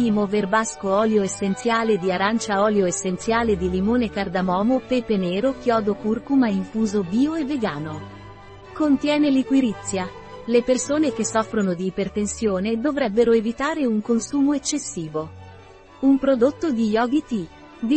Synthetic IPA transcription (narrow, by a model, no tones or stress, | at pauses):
imoverbaskoɔːljoesːent̪sjaːled̪iaɾant͡ʃaɔːljoesːent̪sjaːled̪ilimoːnekard̪amɔːmopepeneːɾokjɔːd̪okurkumaiɱfuːzobiːoevːeɡaːno | kont̪jɛːnelikwiɾit̪sːja | lepersoːnek̟esːɔfːɾonod̪iːpert̪ensjoːned̪ovɾɛbːeɾoevit̪aːɾeuŋkonsuːmoet͡ʃːesːiːvo | umpɾod̪ot̪ːod̪ijɔɡit̪i | d̪i